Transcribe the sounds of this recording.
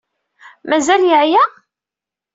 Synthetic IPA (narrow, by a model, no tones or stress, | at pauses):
mæzæljəʕjæ